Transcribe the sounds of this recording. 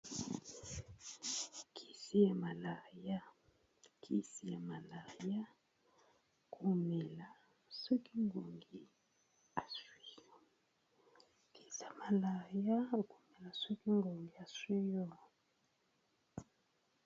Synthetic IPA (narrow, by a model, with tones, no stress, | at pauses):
kʰi˨si˦ja˨ma˨la˨ja˦ | kʰi˨si˦ja˨ma˨la˨ja˦ | kʰu˨me˨la˨ | su˦ki˦ŋɡo˨ŋɡi˨ | a˨swi˦jɔ˨ | ki̥˨sa˨ma˨la˨ja˦˨ku˨me˨la˨su˦ki˦ŋɡo˨ŋɡi˨a˨swi˦jɔ˦˨